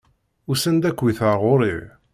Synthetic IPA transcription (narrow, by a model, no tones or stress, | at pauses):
ʊsənd̪ækːwiθəɾˤʁoɾi